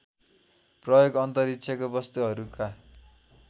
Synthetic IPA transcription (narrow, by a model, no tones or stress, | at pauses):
prʌjoɡʌnt̪ʌɾit̪sʰʌkobʌst̪uɦʌɾuka